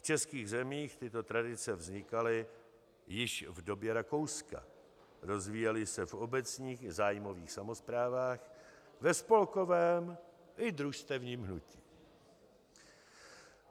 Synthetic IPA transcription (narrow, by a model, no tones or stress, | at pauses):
ft͡ʃɛskiːɣzɛmiːxt̪ɪt̪o̞t̪ɾadɪt͡sɛvzɲɪkalɪ | jɪʃvdo̞bjɛɾako̞wska̰ | ɾo̞zviːjɛlɪsɛfo̞bɛt͡sɲiːxzaːjmo̞viːxsamo̞spɾaːvaːx | vɛspo̞lko̞vɛːm | ʔɪd̪ɾuʃst̪ɛvɲiːmɦnuci̥ː